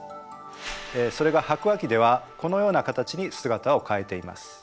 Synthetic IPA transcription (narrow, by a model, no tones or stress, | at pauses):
eːso̞ɾe̞ɡahakɯ̟βakʲid̪e̞β̞ako̞no̞jo̞ːnakat̪at͡ɕiɲ̟isɨɡat̪ao̞kae̞t̪e̞ima̰sɨ̥